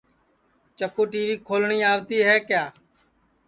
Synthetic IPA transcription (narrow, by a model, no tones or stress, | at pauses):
t͡ʃəkuːʈiːʋiːkʰoːlɳiːaːʋt̪iːɦɛːkjaː